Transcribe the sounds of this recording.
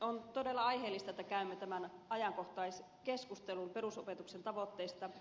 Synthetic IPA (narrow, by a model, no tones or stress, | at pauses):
ont̪odelːɑɑjɦeːlːist̪ɑet̪ːækæymːet̪æmænɑjɑŋkoht̪ɑis | keskust̪elumperusopet̪uksent̪ɑʋot̪ːeist̪ɑ